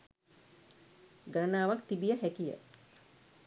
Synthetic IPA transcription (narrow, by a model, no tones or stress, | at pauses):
ɡanaːʋakt̪ibijəɦækijə̰